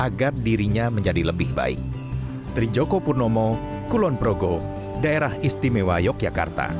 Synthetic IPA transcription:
ʔaɡardiɾiɲaməɲd͡ʒadiləbɪhba̰ɪ̰k̚ | t̪ɾid͡ʒokopurnɔmɔ | kulɔnpɾoɡo | daeɾahist̪imewajɔk̚d͡ʒaka̰rt̪a̰

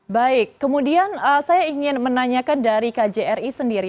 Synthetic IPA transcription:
baɪkːəmudianəsajaiŋɪnmənaɲakandaɾikad͡ʒeɛrisəndiɾi

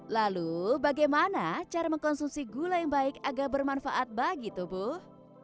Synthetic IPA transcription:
lalubaɡajmanat͡ʃaɾaməŋkɔnsumsiɡulajaŋbaɪkaɡalbərmanfaʔat̪̚baɡit̪ubʊh

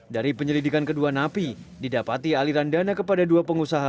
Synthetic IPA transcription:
daɾipəɲəlidikankəduanapi | didapat̪ialiɾandanakəpadaduapəŋusaɦa

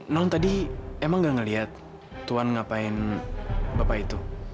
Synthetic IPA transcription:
nɔnt̪adiemaŋɡaŋəliɦat̪ː | uanŋapaɪn | bapait̪u

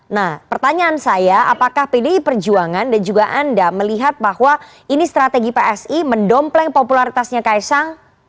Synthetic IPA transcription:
nahpərt̪aɲaːnsajaʔapakahpidiipərd͡ʒuaŋandand͡ʒuɡaʔandaməliɦat̪̚bahwa | inist̪ɾat̪eɡipeʔɛsiməndɔmplɛŋpopulaɾit̪asɲakaisaŋ

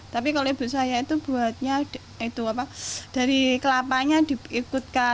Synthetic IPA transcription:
t̪apikaloib̥ṳt̪sajait̪ub̥ṳat̪̚ɲa | it̪uapad̥a̤ɾikəlapaɲad̥i̤ikut̪̚ka

